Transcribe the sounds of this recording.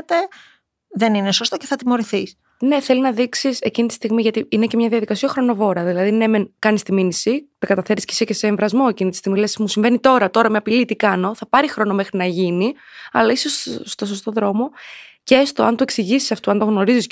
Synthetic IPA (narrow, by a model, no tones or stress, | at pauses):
t̪e | ðe̞ninesost̪o̞ceθɐt̪imo̞ɾiθis | ne̞θe̞linɐðiksise̞cinit̪i̥st̪iɣmiʝɐt̪iinece̞mɲɐðiɐðikɐsiɐxɾo̞no̞vo̞ɾɐðilɐðinemenkɐnist̪iminisit̪ekɐt̪ɐθe̞ɾiscesecese̞ːɱvɾɐzmo̞e̞cinit̪i̥st̪iɣmilesi̥musiɱvenit̪o̞ɾɐt̪o̞ɾɐmɐpilit̪ikɐno̞θɐpɐɾixɾo̞no̞me̞xɾinɐʝini | ɐlɐisosːt̪o̞so̞st̪o̞ðɾo̞mo̞ceest̪oɐnt̪ue̞ksiʝisi̥sɐft̪uɐnt̪o̞ɣno̞ɾizis